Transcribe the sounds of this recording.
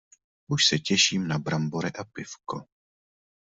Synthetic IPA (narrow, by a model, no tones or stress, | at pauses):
ʔuʃsɛcɛʃiːmnabɾamboɾɛʔapɪfko̰